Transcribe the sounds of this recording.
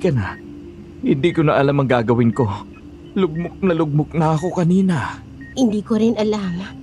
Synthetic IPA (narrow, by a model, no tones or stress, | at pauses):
kɐna | hɪnd̪iːkʊnɐʔɐlamɐŋɡaːɡɐwɪnko̞ | lʊɡ̚mʊk̚nɐlʊɡ̚mʊk̚nɐʔɐko̞kɐniːnɐ | hɪnd̪iːkoɾɪnɐlam